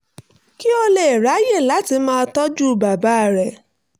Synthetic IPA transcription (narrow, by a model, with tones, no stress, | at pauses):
ki˦o˧le˦˨e˨ɾa˨˦je˦˨la˨˦ti˧˦mãː˦˧tɔ˦d͡ʒu˦˨ba˨ba˨˦˨ɾɛ˨